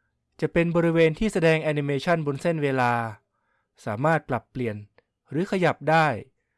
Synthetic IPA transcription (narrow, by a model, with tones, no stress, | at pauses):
t͡ɕa˨˩ʔpe˧nbɔː˧ɾi˦˥weː˧nt̪ʰiː˥˩sa˧dɛː˧ŋʔɛː˧ni˧meː˧t͡ɕʰa˥˩nbo˧nse˥˩nweː˧laː˧ | saː˩˦maː˥˩t̪̚pla˨˩pːli˨˩ən | ɾɯː˩˦kʰa˧ja˨˩p̚daː˥˩j